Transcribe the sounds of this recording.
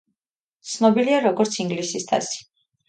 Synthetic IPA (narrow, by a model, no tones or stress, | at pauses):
t̪sʰnɔbiliaɾɔɡɔɾt̪sʰiŋɡlisist̪ʰa̰si̥